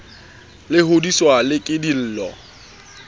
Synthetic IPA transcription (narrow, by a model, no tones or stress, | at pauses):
lɪɦodiswalɪkʼɪdil̩ːlɔ̰